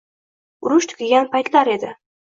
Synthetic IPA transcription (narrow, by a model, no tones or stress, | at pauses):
ʊɾʊʃt̪ʰʊ̥kʲʰɪɡʲanpajt̪laɾe̞d̪ɪ